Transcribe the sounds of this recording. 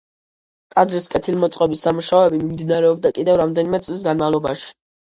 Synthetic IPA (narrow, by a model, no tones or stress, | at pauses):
kʼad̪zɾiskʼɛt̪ʰilmɔt̪sʼqʼɔbisːamuʃaɔɛbimimd̪inaɾɛɔb̚d̪akʼid̪ɛvɾamd̪ɛnimɛt̪sʼlis̬ɡanmavlˠɔbaʃi̥